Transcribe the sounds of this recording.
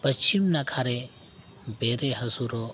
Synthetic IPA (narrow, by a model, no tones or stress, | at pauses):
pɐst͡ʃimnakʰaːɾe | beːɾeɦɐzuːɾo